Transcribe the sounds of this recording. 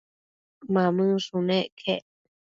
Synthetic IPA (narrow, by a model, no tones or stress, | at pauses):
mãmɨ̃ʂũnẽʔkʰeʔ